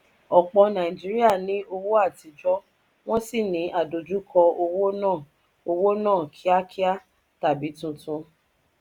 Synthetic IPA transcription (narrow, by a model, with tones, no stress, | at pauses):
ɔ˨k͡pɔ˧nã˨ĩ˨d͡ʒi˦ɾi˦a˦˨nĩ˨˦o˧wo˦a˦˨ti˨˦d͡ʒɔ˦ | w̃ɔ̃˦si˦˨nĩ˨˦ʔa˦˨do˨d͡ʒu˦kʰɔ˧o˧wo˦nãː˦˨ | o˧wo˦nãː˦˨kʰi˨˦a˦kʰi˦a˦ | ta˨bi˨˦tũ˧tũ˧